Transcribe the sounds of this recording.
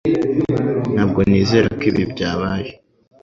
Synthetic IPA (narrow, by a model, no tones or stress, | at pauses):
n̥haːb̚ɡo̞niːze̞ːɾakiːβibɟaːβaːje